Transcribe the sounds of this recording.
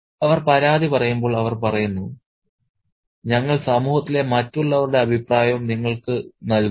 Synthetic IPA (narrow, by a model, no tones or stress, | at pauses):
ɐʋɐrpɐɾaːd̪ʱipɐrɐjumbo̞ːɭɐʋɐrpɐrɐjunːu | ɲɐŋːɐɭsɐmuːhɐt̪ːile̞mɐtːuɭːɐʋɐɾuɽe̞ɐbʱipraːjɐmniŋːɐɭkɨnɐl